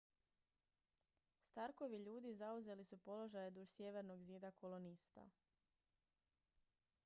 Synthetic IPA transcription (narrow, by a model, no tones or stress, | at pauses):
st̪aɾko̞ʋiʎuːd̪izauze̞lisupo̞lo̞ʒajed̪uʒsjeʋe̞ɾno̞ɡziːd̪akʰolo̞nist̪a̰